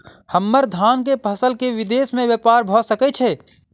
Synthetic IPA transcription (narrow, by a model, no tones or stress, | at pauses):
həmːəɾd̪ʱaːnkepʰəsəlkeʋɪd̪eːsmẽʋjəpaːɾbʱosəkɛt͡ʃʰɛː